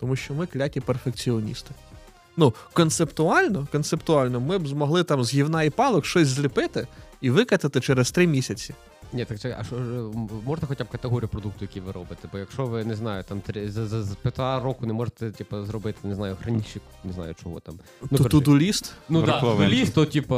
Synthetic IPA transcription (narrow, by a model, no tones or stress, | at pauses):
t̪ɔmuʃt͡ʃɔmɪklʲakʲiperfekt͡sʲiɔnʲḭst̪ɪ̥ | nukɔnt̪sept̪ʊɑlʲnɔkɔnt̪sept̪ʊɑlʲnɔmɪbzmɔɦlˠɪt̪ɑmzɦʲiwnɑipɑlˠɔkʃt͡ʃɔsʲzʲlʲɪpɪt̪ɪiʋɪkɐt̪ɐt̪ɪt͡ʃɛɾest̪ɾɪmʲisʲɐt͡sʲi | nʲɛt̪ɐk̪ɛɐ̰ʃɔmɔʒnt̪ɐxɔtʲab̚kɐt̪eɦɔɾʲijupɾɔd̪uk̚t̪ʊjɐkʲiʋɪɾɔbɪt̪ɛbɔjɐkʃɔʋɪnɛznɑjʊt̪ɑmt̪ɾʲizzɐzpʲɪt̪aɾɔkʊnɛmɔʐet̪ɛtʲipɐzɾɔbɪt̪ɪ̥neznɑjʊɦɾɐnʲiʃikneɛznɑ̰jʊt͡ʃɔɦɔ̰t̪ɑ̰m | t̪ut̪ud̪ʊlʲist̪nuʋʊlʲist̪ːɔtʲipɐ